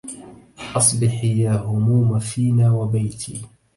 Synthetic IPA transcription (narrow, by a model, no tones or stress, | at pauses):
ʔɑsˤbɪħɪjaːɦʊmuːmafiːnaːwabajt̪ʰḭː